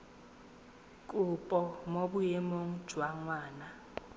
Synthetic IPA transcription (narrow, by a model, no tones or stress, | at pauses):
kʼupʼɔmobujemoŋ̩̥ʒ̥ʱwaŋwaːna